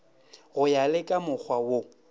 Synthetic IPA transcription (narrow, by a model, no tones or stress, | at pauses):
ɣʊjalɪkʼamʊk͡xʰwawo